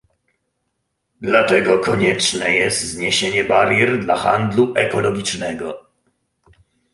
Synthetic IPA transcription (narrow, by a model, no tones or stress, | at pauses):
d̪lat̪ɛɡɔkɔɲɛt͡ʂnɛjɛst̪zɲeɕeɲɛbaɾjɛɾd̪laxa̰nd̪luʔɛkɔlɔɡʲit͡ʂnɛɡɔ